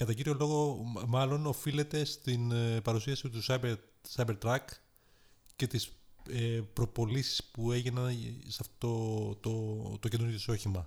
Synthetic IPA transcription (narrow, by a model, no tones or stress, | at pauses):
kɐt̪ɐciɾʝo̞lo̞ɣo̞mɐlo̞no̞file̞t̪e̞st̪inpɐɾusiɐsit̪usɐbe | sɐjbeɾt̪ɾɐk | ce̞t̪isepɾo̞po̞lisi̥spue̞ʝinɐnsɐft̪ot̪ot̪ot̪oce̞nuɾɣjoiso̞çimɐ